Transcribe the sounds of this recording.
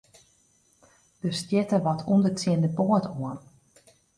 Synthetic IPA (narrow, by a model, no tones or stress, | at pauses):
d̥əstjɪtəʋɔtʰundətiəndəpoətʰoən